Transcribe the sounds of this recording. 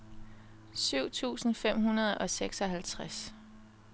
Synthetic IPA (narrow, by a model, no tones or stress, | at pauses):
syʊ̰t͡sʰṵːsn̩fem̰ɦunɐð̞ˠɒ̽seɡ̥sɒ̽ɦælt͡sʰʁas